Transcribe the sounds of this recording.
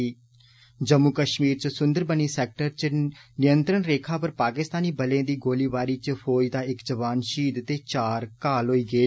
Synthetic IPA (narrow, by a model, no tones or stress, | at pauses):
d͡ʒəmːukəʃmiːɾt͡ʃsʊnd̪əɾbəniːsɛːk̚ʈəɾt͡ʃnɪjənt̪ɾənɾeːkʰaːpəɾpaːkɪst̪aːniːbəlẽːd̪iːɡoːliːʋaːɾiːt͡ʃpʰoːjd̪aːɪkd͡ʒəʋaːnʃiːd̪t̪eːt͡ʃaːɾkaːlɦoːiːɡəeː